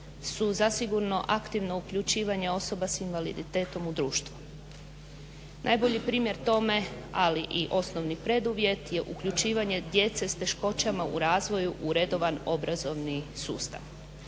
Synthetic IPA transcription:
suzasiɡuɾno̞ʔakt̪iʋno̞ukʎut͡ɕiːʋaɲe̞o̞so̞basinʋalḭd̪it̪e̞ːt̪o̞mud̪ɾuːʃt̪ʋu | nʔajbo̞ʎipɾiːmje̞ɾt̪o̞me̞aliʔiʔo̞sno̞ʋnipɾe̞d̪uʋje̞t̪je̞ʔukʎut͡ʃiːʋaɲe̞d̪je̞t̪se̞st̪e̞ʃko̞t͡ɕamaṵɾaːzʋo̞juʔuɾe̞d̪o̞ʋano̞bɾazo̞ʋnisṵːst̪a̰ʋ

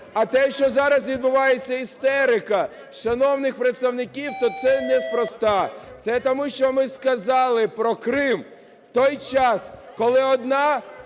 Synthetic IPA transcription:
ɐt̪ɛʃt͡ʃɔzɑɾɐs̬ʋʲid̪̚bʊʋɑjet͡sʲːɐist̪ɛɾɪkɐ | ʃɐnɔwnɪxpɾet̪st̪ɐwnɪkʲiwt̪ɔt̪sɛnɛspɾɔst̪ɑt̪sɛt̪ɔmuʃt͡ʃɔmɪskɐzɑlˠɪpɾɔkɾɪm | wt̪ɔjt͡ʃɑskɔlˠɪɔd̪nɑ

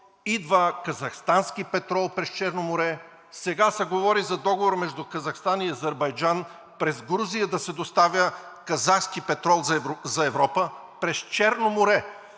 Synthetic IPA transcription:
id̪vəkɐzɐxst̪anskipɛt̪ɾɔlˠpɾɛst͡ʃɛɾnomoɾɛ | sɛɡasɛɡovɔɾizɐd̪ɔɡovoɾmɛʒd̪ʊkɐzɐxst̪aniɐzɛɾbɐjd͡ʒan | pɾɛzɡɾuzijəd̪ɐsɛd̪ost̪avʲjəkɐzaxskipɛt̪ɾɔlˠzɐɛvɾɔpə | pɾɛst͡ʃɛɾnomoɾɛ

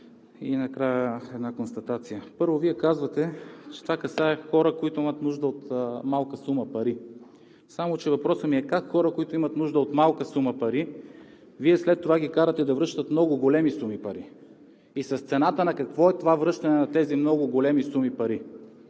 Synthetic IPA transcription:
inɐkɾajəɛd̪nakonst̪ɐt̪at̪sijəpɤɾvoviɛkazvɐt̪ɛt͡ʃɛ̥t̪ovakɐsaɛxɔɾəkoit̪ʊimət̪nuʒd̪əot̪malˠkəsuməpɐɾi | samot͡ʃɛvɐpɾɔsəmiɛkakxɔɾəkoit̪ʊimɐt̪nuʒd̪əot̪malˠkəsuməpɐɾi | viɛslɛt̪ːovaɡʲikaɾət̪ɛd̪ɐvɾɤʃt̪ət̪mnɔɡʊɡolɛmisumipɐɾi | isɐst̪sɛnat̪ənɐkɐkvɔɛt̪ovavɾɤʃt̪ɐnɛnɐt̪ɛzimnɔɡʊɡolɛmisumipɐɾi

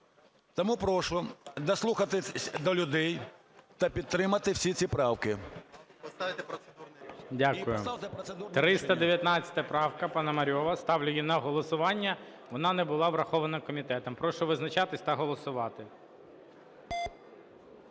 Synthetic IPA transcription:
t̪ɔmupɾɔʃʊd̪ɐslˠuxɐt̪ɪd̪ɔlʲʊd̪ɛj | t̪ɐpʲid̪t̪ːɾɪmɐt̪ɪwsʲit͡sʲipɾɑwkɪ | t̪ɪt̪pɾɔeundʲakʊjʊ̰d̪t̪ɾɪst̪ɐd̪eʋʲjɐt̪nɑt͡sʲɐ̥t̪ɐpɾɑwkɐpɑnɐmɐɾʲɔʋɐst̪ɑwlʲʊjinɐɦɔlˠɔsʊʋɑnʲːɐ | ʋɔnɑnɛbʊlˠɑʋɾɐxɔʋɐnɐkɔmʲit̪ɛt̪ɔmpɾɔʃʊʋɪznɐt͡ʃɑt̪ɪsʲt̪ɐɦɔlˠɔsʊʋɑt̪ɪ

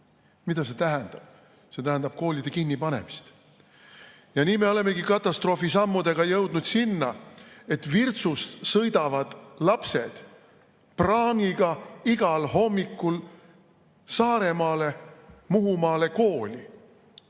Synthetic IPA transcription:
mid̪ɑse̞t̪æɦænd̪̥ɑb̥ | se̞t̪æɦænd̪ɑb̥̚ko̞ːlʲid̪̥e̞kinːipɑne̞̰mist̪ | jɑniːme̞o̞le̞mːe̞ɡikɑt̪ːˑɑst̪ro̞ːfisɑmːud̪e̞ɡ̥ɑjɤwd̪̥nud̪sinːɑe̞t̪virt̪sust̪sɤjd̪̥ɑvɑd̪̥lɑpse̞d̪̥ | prɑːŋiɡ̥ɑiɡ̥ɑlɦo̞mːikːul | sɑːɾe̞mɑːle̞muɦumɑːle̞ko̞ːlʲi

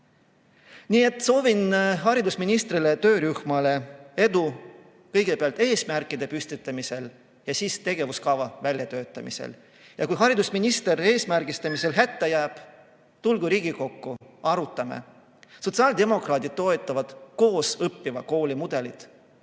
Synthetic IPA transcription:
niːe̞t̪ːˑso̞ːvinɦɑɾid̪usminist̪rilet̪ø̞ːɾyhmɑle̞e̞d̪u | kɤjɡe̞peɑlt̪e̞ːsmærkːˑid̪̥e̞pyst̪it̪ˑːɑmise̞l | jɑsiːst̪e̞ɡe̞vuskɑvɑvælʲjɑt̪ø̞ːt̪ːˑɑmḭsḛl | jɑkujɦɑɾid̪usminist̪e̞ɾe̞ːsmærɡist̪ɑmise̞lɦæt̪ːejæːb̥ | t̪ulɡuɾiːɡiko̞kːuɑɾut̪ːˑɑmḛ | so̞t̪sɑːld̪e̞mo̞krɑːd̪id̪̥̚t̪o̞et̪ːˑɑvɑd̪̥ko̞ːsɤpːivɑ̰ko̞ːlʲimud̪̥e̞lid̪̥

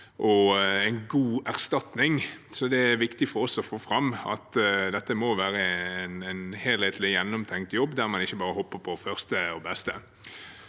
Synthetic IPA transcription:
ʔɔɛɪnɡuːæʁst̪ɑt̪nɪŋsɔd̪ɛæɾʋɪkt̪ɪfɔɾɔsɔfoːfɾɑmɑ̰t̪d̪ɛt̪ːəmɔʋæːɾəɛnɛnheːlheːt̪lɪjɛnːɔmt̪ʰɛŋkt̪jɔbːd̪æɾmɑnɪçːəbɑːɾəhɔpːəpʰɔfœʁst̪əɔbɛst̪ə

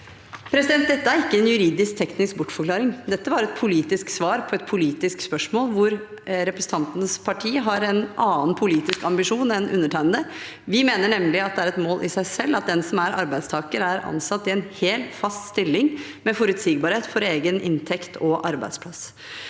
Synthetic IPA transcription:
pʰɾɛsɪd̪ɛnt̪d̪ɛt̪ːəæɾɪkːəɛnjʉɾiːd̪ɪsk̚t̪ʰɛknɪsk̚bʊʈːfɔkʰlɑːɾɪŋd̪ɛt̪ːəʋɑɾɛt̪̚pʰʊliːt̪ɪsksʋɑːɾpʰɔɛt̪̚pʰʊliːt̪ɪskspœʂmoːlʋʊɾ | ɾɛpɾəsəɑnt̪ənəspʰɑʈʰiːəɦɑɾɛnʔɑːənpʰʊliːt̪ɪskɑmbɪʂuːnɛnʔʉ̰nːəʈʰæɪnd̪ə | ʋɪmeːnəɳɛmlɪɑt̪̚d̪ɛæɾɛt̪moːlʔɪsæɪsɛlːɑt̪̚d̪ɛnsɔmæɾʔɑ̰ɾbæɪd̪st̪ʰɑːkəɾæɾɑ̰nsɑt̪ːɪɛnheːlfɑst̪st̪ɪlːɪŋ | mɛfɔɾʉt̪siːɡ̚bɑːɾheːt̪fɔɾeːɡənɪ̰nt̪ʰɛkt̪ʰɔʔɑ̰ɾbæ̰ɪd̪spʰlɑs

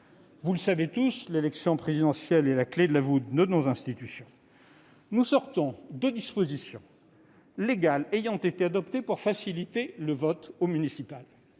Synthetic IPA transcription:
vuləsavet̪uslelɛksjɔ̃pχezid̪ɑ̃sjɛlelakled̪əlavud̪nonozɛ̃st̪it̪ysjɔ̃ | nusɔʁt̪ɔ̃d̪əd̪ispozisjɔ̰̃ | leɡalejɑ̃t̪et̪ead̪ɔpt̪epuʁfasilit̪eləvɔt̪omynisipal

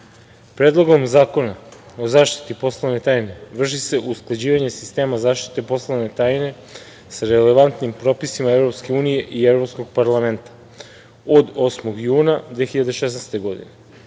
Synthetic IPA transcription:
pɾed̪lˠoɡo̞mzaːko̞na | ozaːʃt̪i̥t̪ipo̞slˠaʋne̞t̪aːjne̞ʋr̩ʃ̬ise̞ʔusklˠad͡ʑiːʋaɲe̞si̥st̪e̞ːmazaːʃt̪i̥t̪e̞po̞slˠavne̞t̪aːjne̞ | saɾeleʋant̪nimpɾo̞pisimaevɾopske̞uːnije̞ʔievɾo̞psko̞ɡ̚paɾlament̪ḁ | od̪o̞smo̞ɡjuːnad̪ʋexiʎad̪e̞ʃesnɛst̪e̞ɡo̞d̪ḭne

